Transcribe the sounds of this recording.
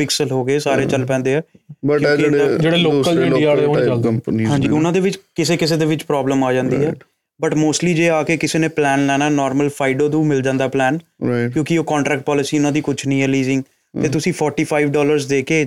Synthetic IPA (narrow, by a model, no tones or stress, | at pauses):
pɪksəlɦoːɡəeːsaːɾeːt͡ʃəlpɛ̃ːnd̪eːɛːbəjkːd͡ʒeːɽeːloːəld͡ʒə̃iaːleːoːpniɦãːɲd͡ʒiːʊnãːd̪eːʋɪt͡ʃkɪseːkɪs̬eːd̪eːʋɪt͡ʃpɾɔːbləmaːd͡ʒãːnd̪ḭːɛː | bəʈmoːsʈliːd͡ʒeːaːkeːkɪseːnẽːplɛːnlɛːnaːnɔːɾməlpʰaːɪɖoːd̪ũːmɪld͡ʒãːnd̪aːplɛːn | kjõːkɪoːkɔːɳʈɾɛːkʈ̚pɔːlɪsiːʊnãːd̪iːkʊt͡ʃʰnəĩɦɛːliːzɪ̃ŋɡ̪ | eːt̪ʊsĩːpʰɔːɾʈiːpʰaːiʋɖɔːləɾzd̪eːkeː